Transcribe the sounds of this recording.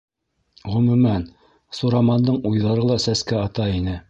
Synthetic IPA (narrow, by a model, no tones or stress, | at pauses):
ʁɵ̆mʉ̆mæn | suɾɑmɑnd̪ɤɴujðɑɾɤlˠɑsæskæɑt̪ɑinɘ